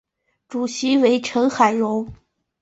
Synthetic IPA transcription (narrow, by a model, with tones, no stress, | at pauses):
ʈ͡ʂu˨˩ɕi˧˥we˧˥ɪʈ͡ʂʰɤ˧˥ŋxa˨˩ɪɻʊ˧˥ŋ